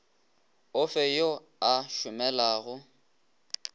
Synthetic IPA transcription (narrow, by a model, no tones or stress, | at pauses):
ʊfɛjo | aʃʊmɛlaːɣʊ